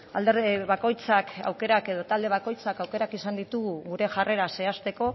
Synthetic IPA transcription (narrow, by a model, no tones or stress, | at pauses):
ald̪eɾeβako̞jt͡saka̰wke̞ɾake̞ð̞o̞t̪ald̪e̞β̞ako̞jt͡sakawke̞ɾakisand̪it̪uɣuɣuɾe̞ʝare̞ɾase̞ast̪e̞ko̞